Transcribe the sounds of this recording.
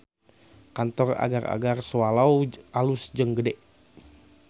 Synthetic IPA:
kant̪ɔra̰ɡara̰ɡarsəwalawalusd͡ʒəŋɡədɛʔ

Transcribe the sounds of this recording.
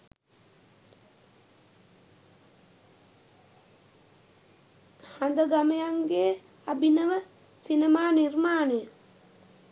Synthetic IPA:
hand̪əɡamejaŋɡeː | abinəʋə | sinemaːnirmaːnejə

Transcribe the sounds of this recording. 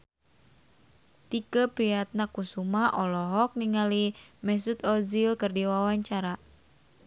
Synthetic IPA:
t̪ikəpiat̪̚nakusumaʔɔlɔɦɔk̚niŋalimɛs̬ut̪ɔzilkɨrdiwawaɲt͡ʃaɾa

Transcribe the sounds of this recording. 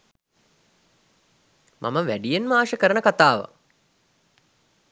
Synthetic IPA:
mʔa̰məʋæɖijenmaːʃəkəɾənəkat̪aːʋə̰

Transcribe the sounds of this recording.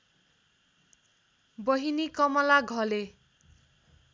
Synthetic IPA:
bʌɦinikʌmʌlaɡʱʌle

